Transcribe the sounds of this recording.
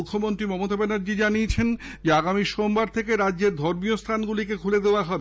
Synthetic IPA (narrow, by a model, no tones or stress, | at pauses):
ukʰːomont̪ɾimɔmot̪abenaɾd͡ʑid͡ʑaniet͡ɕʰen | d͡ʑeaɡamiʃombaɾt̪ʰekeɾadʑeɾd̪ʱɔɾmiost̪ʰanɡulikekʰuled̪eoaɦɔbe